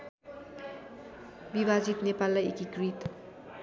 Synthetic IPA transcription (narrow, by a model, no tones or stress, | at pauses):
bibʱazit̪nepalːajekikɾit̪